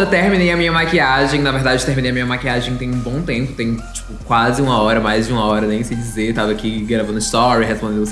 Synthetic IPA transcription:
et̪eɾminejɐmĩɲɐmakiaʒẽj̃naveɦd̪ad͡ʒd͡ʒɪt̪eɦminejɐmĩɲɐmakiaʒẽj̃t̪ẽj̃ũbõw̃t̪ẽmpʊ̥t̪ẽj̃t͡ʃi̥pʊkwazɪũmɐɔɾɐmajzd͡ʒɪũmɐɔɾɐnẽj̃sɪd͡ʒizet̪avɐːkiɡɾavɐ̃d̪ʊɪst̪ɔɾiɦespõd̪ẽd̪̃ʊs

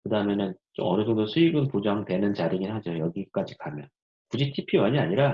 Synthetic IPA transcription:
kɯdamenɯnt͡ɕo̰mʌnɯsʰʌŋdosʰuiɡɯnpod͡ʑaŋtwe̞nɯnt͡ɕaɾiŋinɦad͡ʑojʌɡik͈ad͡ʑikamjʌn | kud͡ʑitʰipʰiwʌɲiaɲiɾa

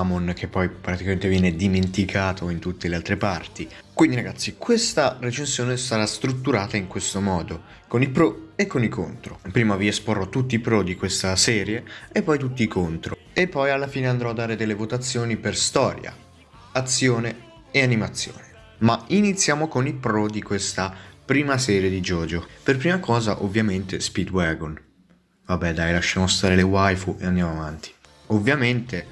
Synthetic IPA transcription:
monk̟epːɔjpɾat̪ikament̪evjɛːned̪iment̪ikʰaːt̪ʰoint̪ut̪ːelealt̪ɾepart̪i | kwind̪iɾaɡat̪sːikwest̪aret͡ʃensjoːnesaɾast̪ɾut̪ːuɾaːt̪aiŋkwest̪omɔːd̪o | konilpɾoekːonikʰo̰nt̪ɾopɾiːmaviesporːɔt̪ːut̪ːiːpɾod̪ikwest̪asɛːɾjeepːɔjt̪ut̪ːiːkʰont̪ɾo | epːɔjalːafiːneand̪ɾɔad̪ːaːɾed̪elːevot̪at̪sːjoːniperst̪ɔːɾja̰ | at̪sːjoːne | eanimat̪sːjo̰ːne | mainit̪sːjaːmokonilpɾɔd̪ikwest̪apɾiːmasɛːɾjed̪id͡ʒɔːd͡ʒoperpɾiːmakɔːzaʔovːjament̪espid̪wɛɡon | vabːɛd̪ajlaʃːaːmost̪aːɾelewajfuḛand̪jamoavant̪ʰi̥ | ovːjament̪e

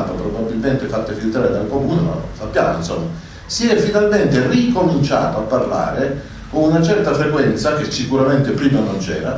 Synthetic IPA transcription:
papɾobabːilment̪efat̪ːefilt̪ɾaːɾed̪alkomuːnema̰sapːjaːmo̰insɔ̰mːa | siɛfinalment̪erikomint͡ʃa̰ːt̪oapːarla̰ːɾe | konunat͡ʃɛrt̪afɾekwɛnt̪sak̟esːikuɾament̪epɾiːmanont͡ʃɛ̰ːɾa

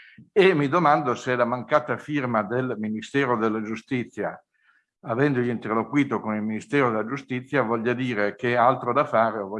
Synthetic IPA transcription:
emːid̪omand̪oseɛlamaŋkaːt̪afirmad̪elminist̪ɛːɾod̪elːad͡ʒust̪it̪sːja | avɛnd̪oʎint̪erlokwiːt̪okonilminist̪ɛːɾod̪elːad͡ʒust̪it̪sːjavɔʎːad̪iːɾekealt̪ɾod̪afaːɾeovɔ

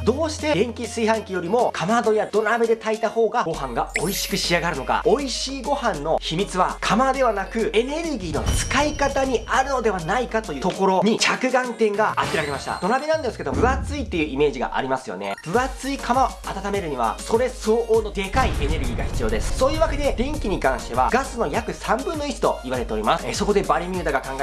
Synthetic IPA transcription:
d̪o̞ːɕi̥t̪e̞ɡẽ̞ŋkʲisɨihãŋkʲijo̞ɾʲimo̞kʰamad̪o̞jad̪o̞ɾabe̞d̪e̞t̪ait̪aho̞ːɡaɡo̞hãŋɡao̞iɕi̥kɯ̟ɕiaɡaɾɯ̟no̞ka̰oiɕiːɡo̞hãnːo̞çimʲit͡sɨβakʰamad̪e̞βanakɯ̟e̞ne̞ɾɯ̟ɡʲiːno̞̰t͡sɨ̥kaikat̪aɲ̟iaɾɯ̟no̞d̪e̞βanaikat̪o̞jɯt̪o̞ko̞ɾo̞ɲ̟it͡ɕakɯ̟ɡãŋt̪ẽ̞ŋɡaak̪ʲːeɾaɾemaɕi̥t̪a̰d̪o̞nabʲinãnd̪e̞sɨ̥ke̞d̪omɯ̟at͡sɨit̪ːe̞jɯ̟ime̞ːʑiɡa̰ʔa̰ɾʲimasɨjo̞̰ne̞̰b̥ɯ̟at͡sɨikʰamaoat̪at̪ame̞ɾɯ̟ɲ̟iβa̰so̞ɾe̞so̞ːʔoːno̞d̪e̞kaie̞ne̞ɾɯ̟ɡʲiːɡa̰çi̥t͡sɨjo̞ːd̪e̞sɨ̥so̞ːjɯːβake̞d̪e̞d̪ẽ̞ŋkʲiɲ̟ikãɰ̃ɕi̥t̪e̞βa̰ɡ̥asɨno̞jakɯ̟sãmbɯ̟̃nːo̞it͡ɕi̥t̪o̞iβaɾe̞t̪e̞o̞ɾʲimasɨ̥so̞ko̞d̪e̞baɾʲemʲɯːd̪aɡakãŋɡa

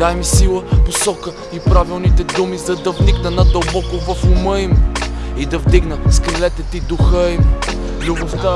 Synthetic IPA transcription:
ajmisilˠəposɔkə | ipɾavilˠnit̪ɛd̪umizɐd̪ɐvniɡnənɐd̪ɐlˠbɔkʊvɐfʊməimid̪ɐvd̪iɡnəskɾilɛt̪ɛt̪id̪uxəim | lʲuboft̪a

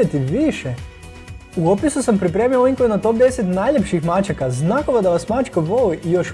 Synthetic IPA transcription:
et̪iʋiʃe | uopisusampɾipɾe̞ːmioliŋkojunat̪o̞p̚d̪e̞set̪najʎepʃixmat͡ʃakaznakoʋad̪aʋasmat͡ʃkaʋolijoʃ

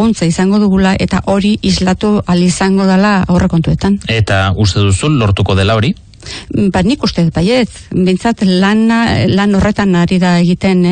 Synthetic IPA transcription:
unt͡saisaŋɡo̞ðuɣ̞ulaʔe̞t̪aʔo̞ɾiʔizlat̪ualisaŋɡo̞ðelaawre̞ko̞nt̪ue̞t̪ane̞t̪aust̪e̞ðusulo̞ɾt̪uko̞ð̞e̞lao̞ɾi | banikust̪e̞baje̞t͡s | be̞jnt͡sat̪lanlano̞re̞t̪anaɾiðaeɣit̪e̞n

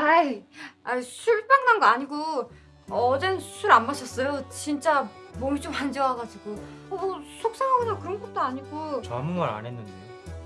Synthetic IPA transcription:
a | asʰuɭp͈aŋnanɡʌaɲiɡo | ʌd͡ʑensʰuɾanmaɕʰʌs͈ʌjot͡ɕint͡ɕ͈amomit͡ɕ͈omand͡ʑʌwaɡad͡ʑiɡo | ʌsʰok̚s͈aɦaɡɯnaŋkɯɾʌnɡʌt̚t͈oaɲiɡot͡ɕʌmuŋɡʌɾa̰nɦenːɯnde

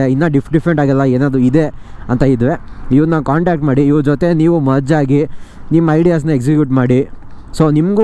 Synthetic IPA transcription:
einːɐɖipʰɖifʰɾeɳʈaːɡɐlːɐeːnaːd̪ɾuid̪e̞ɐnt̪ɐid̪ʋeiʋɐɾnaːnkaːɳʈaːk̚ʈmaːɽiːʋɐɾd͡ʒot̪e̞niːʋumɐd͡ʒaːɡinimːɐɐjɖijaːs̬nɐeks̬ikjuːʈmaːɽi | so̞ːnimɡu

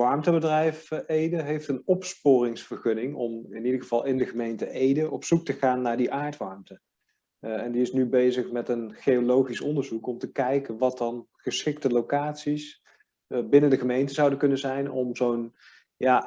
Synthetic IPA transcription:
ʋɑɹmtəbədrɛjfejdəɦejftənɔpspʊːrɪŋsfəɹχɵnɪŋɔmɪnidəɹχəv̥ɑlˠɪndəχəmejntəʔejdəʔɔpsuk̚təχaːnːaːɹdiʔaːɹtʋɑɹmtə | ɛndiɪsnybejzəχmɛtənχeolowχisɔndəɹzukɔmtəkɛjkənʋɑt̚dɑnχəsχɪk̚təlowkaːtsis | bɪnəndəχəmejntəzɑwdəkɵnəzɛjnɔmzown | jaː

